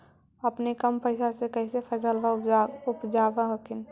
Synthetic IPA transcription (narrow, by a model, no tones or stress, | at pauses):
əpnekəmpəɪsasekəɦisepʰəsəlbaʊpd͡ʒabaɦəkʰɪn